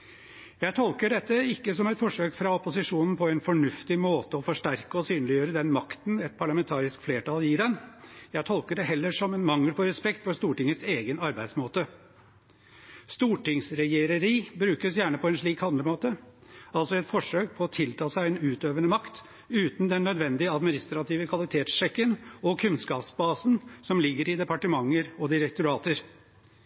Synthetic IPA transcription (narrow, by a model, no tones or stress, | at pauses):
jæɪt̪ʰɔlkəɖɛt̪ːəɪkːəsɔmɛt̪fɔʂøːkfɾɑɔpʊsɪʂuːnn̩pʰɔɛnfɔɳʉft̪ɪmoːt̪əɔfɔʂʈæɾkəɔsyːnəlɪjøːɾəd̪ɛnmɑkt̪nɛt̪̚pʰɑɭɑmɛnt̪ʰɑːɾɪskfleːʈɑːljiːɖɛnjæɪt̪ʰɔlkəɖɛɦɛlːəʂɔmɛnmɑŋːəlpʰɔɾɛspɛkt̪fɔɾst̪uːʈɪŋːəseːɡənɑɾbæɪd̪smoːt̪ə | st̪uːʈɪŋsɾɛjeːɾəɾiːbɾʉːkəsjæːɳəpʰɔɛnʂɭiːkɑnd̪ɾəmoːt̪əɑlt̪sɔɛt̪fɔʂøːk̚pʰɔːt̪ʰɪlt̪ʰɑːsæɪɛnʉːt̪øːʋənəmɑkt̪ | ʉːt̪n̩d̪ɛnːœd̪ʋɛnd̪ɪəɑd̪mɪnɪst̪ɾɑt̪ʰiːʋəkʰʋɑlɪt̪ʰeːt̪sʃɛkːənɔkʰʉnskɑːpsbɑːsn̩sɔmlɪɡːəɾɪd̪ɛpɑʈəmɑŋːəɾɔd̪ɪɾɛkt̪ʊɾɑːt̪əɾ